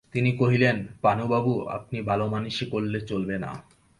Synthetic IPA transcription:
t̪inikoɦilenpanubabua̰p̚nibʱalomanuʃekolːet͡ɕolbena̰

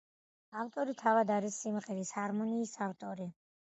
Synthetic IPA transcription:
aft̪ʼɔɾit̪ʰavad̪aɾisːimʁɛɾishaɾmɔniːsaft̪ʼɔɾi

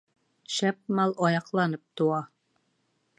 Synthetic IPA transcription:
ʃæp̚mɑlˠɒjɑqlˠɑnɤp̚t̪uɑ

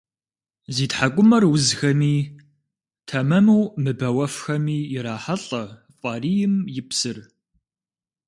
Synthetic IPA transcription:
ziːtħakʷʼʊmɐrwʊzxɐmiː | tʰɐmɐmuwmɨbɐwɐfxɐmiːjɪɾaːħaɬʼɐfʼɑːriːjɪmjɪpsɨr

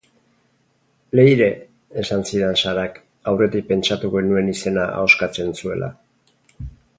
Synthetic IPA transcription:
le̞jɾe̞ː | sansiðensaɾak | awre̞t̪ipe̞nt͡ʃat̪uɣe̞nue̞nise̞naa̰o̞skat͡se̞nsue̞̰lʔa̰

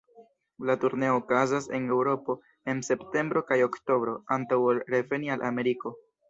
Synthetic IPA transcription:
latuɾne̞o̞ːkazase̞ne̞wɾo̞po̞ | e̞nse̞pte̞mbɾo̞kajo̞kto̞bɾo̞antawolɾe̞ve̞nialʔame̞ɾiko̞

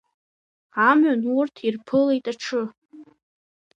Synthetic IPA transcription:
amanurtʰirpʰɨletʼaʈ͡ʂʰɨ

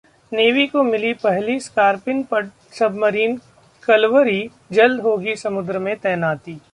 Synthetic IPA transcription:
neːʋikomɪlipɛɦliskaːɾpɪnpɐ | sɐbmɐɾiːn | kɐlʋəɾi | d͡ʒɐld̪ɦoːɡisɐmʊd̪ɾəmẽt̪ɛːnaːt̪iː

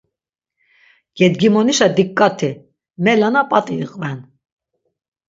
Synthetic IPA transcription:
ɡ̥ɛd̪ɡimɔniʃad̪ikʼːat̪ʰi | mɛlanapʼat̪ʼiqʼvɛn

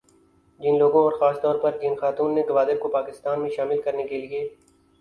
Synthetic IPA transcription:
d͡ʒɪnloːɡõɔːɾxaːst̪ɔːɾpɐɾd͡ʒɪnxaːt̪uːnːeɡɐʋaːd̪ɪb̚kopaːkɪst̪aːnmẽʃaːmɪlkɐɾnekelieː

